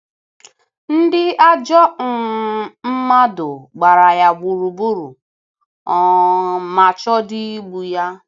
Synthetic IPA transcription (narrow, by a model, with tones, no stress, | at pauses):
n̩˦dɪ˦a˦d͡ʒɔ˦ŋ̩˨m̩˦ma˦dʊ˨ɡ͡ba˨ɾa˨ja˨ɡ͡bu˨ɾu˨bu˦ɾu˨ | ɔ˨ma˨t͡ʃɔ˦dɪ˦i˦ɡ͡bu˨ja˦